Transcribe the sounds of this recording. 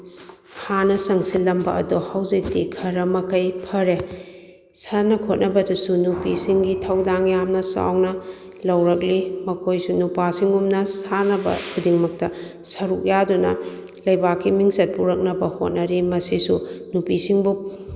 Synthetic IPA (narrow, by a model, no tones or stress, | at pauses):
hanɐsɐŋsilːɐmbɐʔɐ̰duhawzik̚dikʰɐɾɐmɐkʰɐjpʰɐɾe | sɐnɐkʰot̚nʔɐbɐdusunupisiŋɡitʰɐwdaŋjamnɐsa̰wnɐ | lɐwɾɐk̬̚limɐkʰojsunupasiŋumnɐsanɐbɐ̰kʰudiŋmɐk̚tɐsɐɾuk̚jadunɐ̰ | lɐjbakʰːimiŋsɐt̚puɾɐk̚nɐbɐho̰t̚nɐɾimɐsisunupisiŋbu